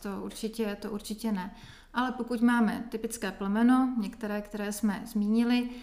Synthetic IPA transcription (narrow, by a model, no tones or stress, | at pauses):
t̪oʔuɾt͡ʃɪcɛt̪oʔuɾt͡ʃɪcɛnɛ | ʔalɛpokucmaːmɛ̰t̪ɪpɪt͡skɛːplɛmɛno̞ɲɛkt̪ɛɾɛːkt̪ɛɾɛːsmɛ̰zmiːɲɪlɪ